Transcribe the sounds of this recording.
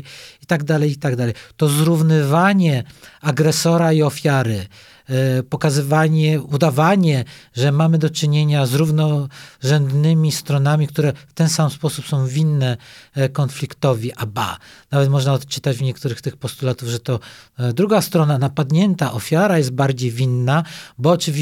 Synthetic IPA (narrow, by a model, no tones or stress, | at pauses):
it̪aɡd̪alɛjit̪aɡd̪alɛjt̪ɔzɾuvnɘvaɲɛaɡɾɛsɔɾaiɔfʲjaɾɘ | pɔkazɘvaɲɛud̪avaɲɛʐɛmamɘd̪ɔt͡ʂɘɲeɲazɾuvnɔʐɛnd̪nɘmʲist̪ɾɔnamʲikt̪uɾɛft̪ɛnsamspɔsupsɔ̃w̃vʲinːɛkɔnflʲikt̪ɔvʲiʔaba̰navɛt̪mɔʐnaɔt̪t͡ʂɘ̥t̪ad͡ʑvɲɛk̚t̪uɾɘxt̪ɘxpɔst̪ulat̪uvʐɛt̪ɔd̪ɾuɡast̪ɾɔnanapad̪ɲɛnt̪aʔɔfʲjaɾajɛst̪̚baɾd͡ʑejvʲinːabɔːt͡ʂɘvʲi